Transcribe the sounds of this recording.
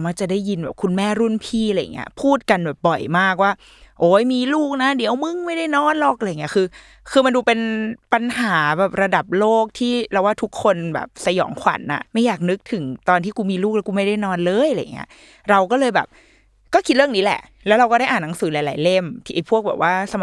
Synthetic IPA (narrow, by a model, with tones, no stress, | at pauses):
ma˧˥˩t͡ɕa˨˩daː˥˩jːi˧nbɛː˨˩p̚kʰu˧nmɛː˥˩ɾu˥˩npʰiː˥˩la˧j̰ŋːḭ˦˥ɐpʰuː˥˩t̪̚ka˧nbɛː˨˩p̚bɔ˨˩jmaː˥˩k̚waː˥˩ | ʔoː˨˦˩jmiː˧luː˥˩k̚na˦˥di˩˦əwmɯ˥˩ŋma˥˩jda˥˩jnɔː˧˥nlɔ˨˩k̚la˧jŋːi˦˥˧kʰɯː˧ | kʰɯː˧ma˧nduː˧pe˧npa˧nhaː˩˦bɛː˨˩p̚ɾa˧da˨˩p̚loː˥˩k̚t̪ʰiː˥˩ɾa˧waː˥˩t̪ʰu˦˥kʰːo˧nbɛ̰ː˨˩p̚sa˧jɔ̰ː˩˦ŋkʰwa̰˨˩˦nʔa̰˨˩ʔma˥˩jːaː˨˩k̚nɯ˦˥k̚t̪ʰɯ˩˦ŋt̪ɔː˧nt̪ʰiː˥˩kuː˧miː˧luː˥˩k̚lɛ˦˥kuː˧ma˥˩jda˥˩jnɔː˧nlɤː˧jla˧ja̰˨˩ŋːḭ˦˥ɐʔ | ɾa˧wkɔː˥˩lɤː˧jbɛː˨˩p̚ | kɔː˥˩kʰi˦˥ɾɯ˥˩əniː˦˥lɛ̰˨˩ʔlɛː˧˦˥wɾa˧wkɔː˥ɾa˥˩jʔaː˨˩nːa˨˩˦ŋsɯː˩˦laː˨˦jlaː˨˩˦jle˥˩mt̪ʰi˧˩ʔjpʰu˥˩ək̚bɛː˨˩p̚waː˥˩sa˧